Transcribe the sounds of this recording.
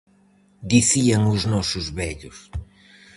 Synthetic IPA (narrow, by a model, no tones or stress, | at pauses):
d̪iθiaŋʊznɔsʊzβɛʎʊs